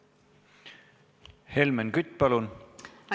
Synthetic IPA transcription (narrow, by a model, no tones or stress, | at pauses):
helmenkyt̪ʲːˑpɑlun